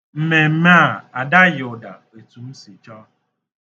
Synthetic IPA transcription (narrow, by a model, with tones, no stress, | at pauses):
m̩˨me˨m̩˦ma˦˨a˨da˦jʊ˨da̰˨ | e˨tu˨m̩˦si˨t͡ʃɔ˦